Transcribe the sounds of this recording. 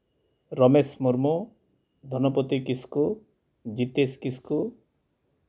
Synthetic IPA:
ɾɔmesmuɾmo | d̪ʱɔnɔpɔt̪ikisku | d͡ʒit̪eskisku

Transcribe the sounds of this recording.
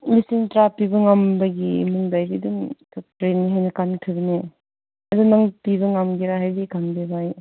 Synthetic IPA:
lisiŋtɾapibɐŋambɐɡimuŋdajbiduŋkatɾenːiɦajnɐkantʰɯbini | ɐdunaŋpiβɐŋamɡiɾaɦhajbikanbebaj

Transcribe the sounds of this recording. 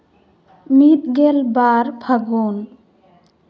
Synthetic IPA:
mit̪ɡelbaɾpʰəɡon

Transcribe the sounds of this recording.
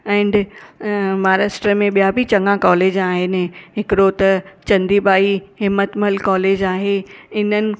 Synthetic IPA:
ɛ̃ːɳɖ | maːɾəsʈɾəmẽɓijabʱit͡ɕɐ̃ŋɡãkɔːleːd͡ʑaːɦɪnɪɦɪkɪɾot̪ɐt͡ɕɐ̃nd̪ibaːiɦɪmːət̪məlkɔːleːd͡ʑaːɦeɪnənɪ̆

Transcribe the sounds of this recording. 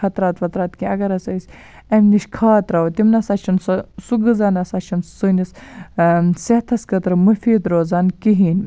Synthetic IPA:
ɐt̪ɾaːt̪ʋɐt̪ɾaːt̪kiɐɡɐɾɐsɐsʲ | ɐmniʃkʰaːt̪ɾɐwt̪imnɐsɐt͡ʃʰinssuɡɨzaːnɐsɐt͡ʃʰinsɨnis | set̪ʰɐskɐt̪ɾɨmɨfiːd̪ɾoːzaːnkiɦiːn

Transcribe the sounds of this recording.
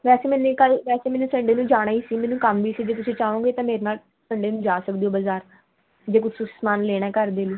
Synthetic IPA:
ʋɛːseːmɛːneːkəlʋɛːseːmɛːneːsəɳɖeːnũːd͡ʒaːɽ̃aːiːsiːmɛ̃ːnːũːkəmʋiːsiːd͡ʒeːt̪ʊsĩːt͡ʃaːõːɡeːt̪ãːmeːɾeːnaːl | səɳɖeːnũːd͡ʒaːsəkd̪eːoːbəzaːɾ | d͡ʒeːkʊt͡ʃʰsʊksmaːnleːɽaɛːkəɾd̪eːliː

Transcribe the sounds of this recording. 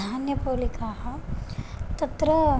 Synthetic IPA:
aːnjɐpolikaːɦɐ | t̪ɐt̪ɾə

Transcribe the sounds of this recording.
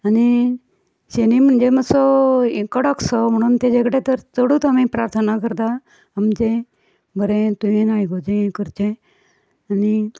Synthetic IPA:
əni | senimənd͡ʒeməsokəɽəksɔməɳ̃ont̪ed͡ʒekɽet̪əɾt͡soɽut̪əmẽpɾaːɾt̪ʰənakəɾd̪a | əmd͡ʒe | bəɾẽt̪uẽnaːiɡod͡ʒẽkəɾt͡ʃẽ | əni

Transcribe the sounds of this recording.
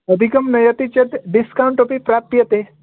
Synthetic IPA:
əd̪ʱikəmnɐjət̪it͡ɕet̪ɖiskawɳʈopipɾap̚t̪ijət̪e

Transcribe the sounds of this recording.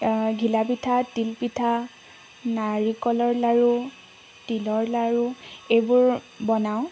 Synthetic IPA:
ɡʱilabitʰatilpitʰa | naɹikɔlɔɹlaɹu | tilɔɹlaɹuejbʊɹ | bɔnaʊ̃

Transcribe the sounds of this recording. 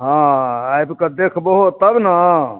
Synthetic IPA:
ɦãajbkəd̪ekʰboɦot̪əbna

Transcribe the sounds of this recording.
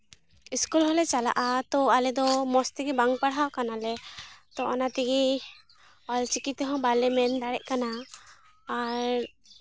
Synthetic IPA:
iskulɦɔlɛt͡ʃala̰ʔat̪ɔalɛd̪ɔmɔst̪iɡibaŋɡpaɽɦawkanalɛt̪ɔɔnat̪iɡi | ɔlt͡ʃikit̪ɦɔ̃balɛmɛnd̪aɽɛʔkanaː | ɾ

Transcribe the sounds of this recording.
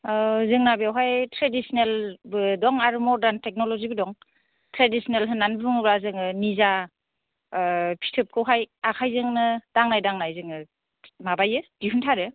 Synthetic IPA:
zɯŋnabjawɦajtʰɾedisnelbɯdɔŋaɾumɔɾdantek̚nɔlɔzibɯdɔŋ | tɾadisnelɦɯnːanbɯbɯŋɯbɾazɯŋɯniza | pʰi̥tʰɯp̚kʰɯwɦajakʰajzɯŋnɯd̥aŋnajdaŋnajzɯŋɯ | mabajɯd̥iɦuntʰaɾɯ

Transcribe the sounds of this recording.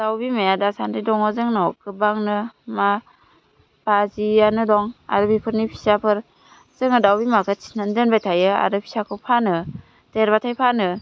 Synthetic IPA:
d̥awbimajadasantɯjdɔŋɔzɯŋnɔkɯbaŋnɯma | bazijanɯdɔŋa̰ɾɯbipʰɯɾnipʰisapʰɯɾ | z̥ɯŋɯdawbimakʰɯt͡ʃi̥nandɯnbajtʰajɯa̰ɾɯpʰi̥sakʰɯwpʰanɯ | teɾbatʰajpʰanɯ

